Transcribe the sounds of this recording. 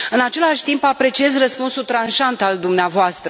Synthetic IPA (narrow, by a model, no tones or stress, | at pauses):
ɨnat͡ʃe̞laʃʲt̪impapɾe̞t͡ʃie̞zrəspunsult̪ɾanʃant̪ald̪umneavoast̪ɾə